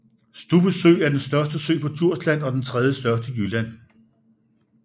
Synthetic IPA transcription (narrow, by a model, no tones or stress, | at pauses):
sd̥ub̥əsø̰ːæɐd̥ensd̥ɶɐsd̥əsø̰ːpʰɒ̽t͡sʰuɐ̰slæn̰ɒ̽d̥ent͡sʰʁɛð̞ˠjəsd̥ɶɐsd̥əjylæn̰